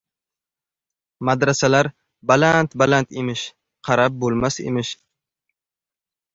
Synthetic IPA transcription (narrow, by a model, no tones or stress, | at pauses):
mad̪ɾasalaɾ | balant̪balant̪emɪʃ | qʰɑɾap̚bolˠmasḛmɪʃ